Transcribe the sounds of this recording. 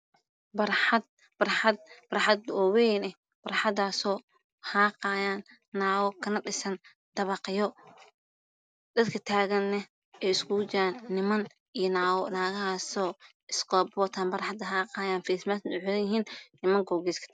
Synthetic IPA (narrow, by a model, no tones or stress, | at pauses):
bɐɾħd̪̚ | bɐrħɑd̪̚bɐɾħɑd̪ɔwɛjnɛ | b̥ɐrħɑd̪aːsɔː | haːqaːjaːnː | aːwɔkʰɐnɐɗɪsɐn | d̪̥ɐβɑqjɔ | d̪̥ɐd̪kʰɐt̪ʰaːɣɐnːɐ | ɛjɪskʰʊt͡ʃɪɾaːnːɪmɐn | ijɔnaːwɔnaːɣɐhaːsɔː | ɪskʰɔːbɔːt̪ʰaːnbɐrħɑd̪ɐɦaːqɑːjaːnfismasʊħlɐjɪɦiːnːɪmɐŋɡɔːɡiːskʰɐ̥